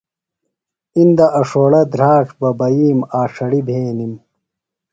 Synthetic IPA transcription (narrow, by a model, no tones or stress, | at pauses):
ind̪ɐʔɐʂoːɽɐd̪ɾaːʈ͡ʂbɐbɐjiːmaːʂɐɽibʱeːnim